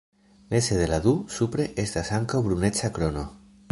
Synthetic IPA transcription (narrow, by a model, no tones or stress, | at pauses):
neseðelaðusupɾeʔest̪asaŋkoβɾunet͡ʃakɾono